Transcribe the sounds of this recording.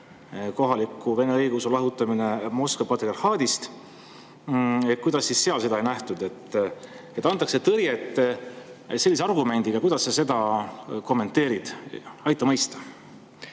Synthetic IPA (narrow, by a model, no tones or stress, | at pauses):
ko̞ɦɑlikːˑuve̞ne̞ɤjɡusulɑɦut̪ːˑɑmine̞mo̞skɑpɑt̪erhɑːd̪̥ist̪ | ekːujd̪ɑsːisse̞ɑlse̞d̪ɑejnæht̪ud̪e̞t̪ː | e̞t̪ːˑɑnt̪ˑːɑkse̞t̪ɤɾjet̪ːˑselːis̬eɑrɡume̞nʲd̪̥iɡ̥ɑkujd̪̥ɑsːɑse̞d̪ɑko̞mːe̞nt̪ːˑe̞ːɾid̪̥ɑjt̪ˑːɑmɤ̞jst̪ɑ̥